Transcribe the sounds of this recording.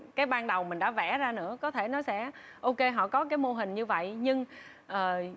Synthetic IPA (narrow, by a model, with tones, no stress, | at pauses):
kaː˨˦jɓaː˧nɗə˨˩wmï˨˩ŋ̟ɗa̰˧˥vɛ˧˩zaː˧nɨ̰˧˥əkɔ˨˦t̪ʰe˧˩nɔ˨˦jsɛ̰˧˥ | ʔo˧ke˧ɦɔ̰˧˨kɔ˨˦kaː˨˦jmo˧ɦï˨˩ŋ̟ɲɨ˧və̰˧˨jɲɨ˧ŋ | ʔəː˨˩